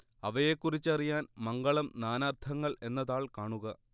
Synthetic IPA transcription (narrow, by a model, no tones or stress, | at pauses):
ɐʋɐjekːurit͡ɕːɐrijaːnmɐŋɡɐɭɐmnaːnaːrt̪ʰɐŋːɐɭe̞nːɐðaːɭkaːɳuɣɐ